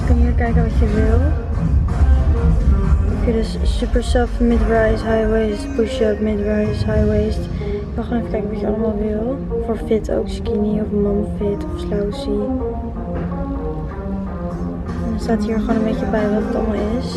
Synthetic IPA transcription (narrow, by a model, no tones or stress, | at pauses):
kɑnɦiːɹkɛjknəʋɑtjəʋɪlˠ | kiədəssypəɹsɛfmɪdɹajsɦajwejstpuʃəpmɪdɹajsɦajwejst | ʋɪlˠχanefə̥kɛjkənʋɔjəɑləmaːlˠʋɪlˠ | foɹfɪtʰo̰wkskiniɔfmɔmfɪtʰɔfslawsi | ɛnənstaːtɦiːɹχwoːnənbejcəbɛjʋɔtətɑlˠmɔlˠɪs